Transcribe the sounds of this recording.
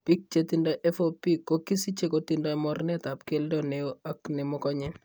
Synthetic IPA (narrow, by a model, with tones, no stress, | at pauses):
pi˦k̚t͡ʃe˦ti˦ndɔ˦ʔe˦fo˦pi˦ko˦ki˦si˦t͡ʃe˦ko˨ti˨ndɔ˦mɔ˦rnɛ˦ta˨pke˦ldɔ˨ne˨o˦a˦knɛ˨mɔ˦kɔ˦ɲɛ˦n